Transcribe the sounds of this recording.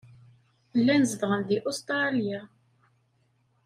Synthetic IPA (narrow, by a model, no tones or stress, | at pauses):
lːænzəvʁənd̪iʔust̪ɾɑlja